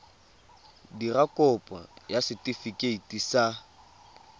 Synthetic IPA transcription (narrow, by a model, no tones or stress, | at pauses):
dirakʼɔpʼa̰jasɪtʼifikʼeitʼisa